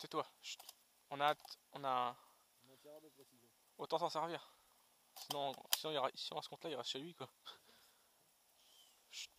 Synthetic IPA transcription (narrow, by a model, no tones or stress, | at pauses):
sɛt̪wa | ɔ̃nat̪ɔ̃na | ot̪ɑ̃sɑ̃sɛʁviʁ | sinɔ̃sinɔ̃iʁaisĩasə̥kɔ̃t̪laiʁaʃelɥikwa